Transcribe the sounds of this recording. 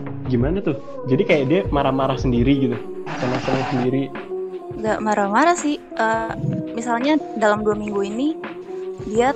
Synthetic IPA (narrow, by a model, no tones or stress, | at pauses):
ɡimanat̪ʊh | d͡ʒadikajaʔdiamaɾahmaɾahsəndiɾiɡit̪u | samasəlɲasəndiɾi | ŋɡaʔmaɾahmaɾahsɪh | ʔəːmisalɲadalamduamiŋɡuini | dia